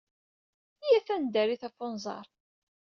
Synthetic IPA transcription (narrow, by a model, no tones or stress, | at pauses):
jæθænd̪æɾiθæfonzˤɑ̰ɾˤ